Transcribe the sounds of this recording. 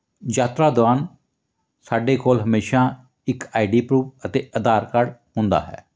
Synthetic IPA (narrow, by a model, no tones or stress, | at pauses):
d͡ʒaːt̪ɾaːd̪ʊaːn | saːɖeːkoːlɦəmeːʃãː | ɪkaːiɖiːpɾuːʋət̪eːʔəd̪aːɾkəɽɦʊ̃nd̪a̰ːɦɛ̰ː